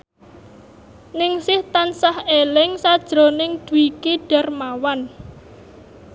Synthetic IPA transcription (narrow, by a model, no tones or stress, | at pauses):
nɪŋsɪht̪ansahelɪŋsad̥ʒ̥ɾo̤nɪŋd̪̥uikiɖ̥a̤rmawan